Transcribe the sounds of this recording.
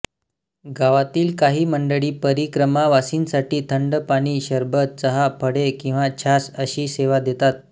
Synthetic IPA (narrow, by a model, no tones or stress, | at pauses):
ɡʱaʋat̪iːlkaɦiːməɳɖəɭiːpəɾikɾəmaʋasiːnsaʈiːt̪ʰəɳɖpaɽ̃iːɕəɾbət̪̚t͡səɦapʰəɽekĩw̃ʋat͡ɕʰasəɕiːseʋad̪et̪at̪̚